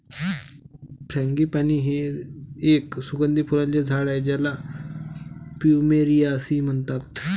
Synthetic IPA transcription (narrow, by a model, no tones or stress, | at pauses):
pʰɾãŋɡiːpaniːɦe | eksuɡənd̪iːpʰuɾãɲt͡ɕad͡zʱaɽajd͡ʑala | pumeɾijasiːm̤əɳt̪at̪